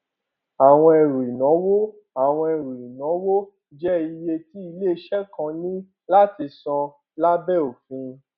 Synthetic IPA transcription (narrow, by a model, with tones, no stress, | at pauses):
a˨w̃ɔ̃˧ɛ˧ɾu˨i˨nã˨˦wo˦ | a˨w̃ɔ̃˧e˧˨ɾu˨i˨nɔ̃˨˦wo˦ | d͡ʒɛ˦i˧je˧ti˨˦i˧le˦˧˦ʃɛ˦kã˧nĩ˦ | la˦ti˧sɔ̃˧ | la˦bɛ˦˨o˨fĩ˧